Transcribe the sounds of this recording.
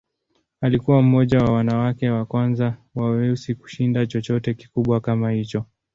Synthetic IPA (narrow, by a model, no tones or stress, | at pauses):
alikuwam̩mɔʄawawanawakɛwakwanzawawɛusiku̥ʃindat͡ʃɔt͡ʃɔtɛki̥kuɓwakamahit͡ʃɔ